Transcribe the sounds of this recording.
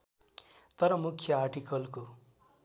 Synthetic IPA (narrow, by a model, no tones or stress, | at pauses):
t̪ʌɾʌmukʰjʌaʈikʰolko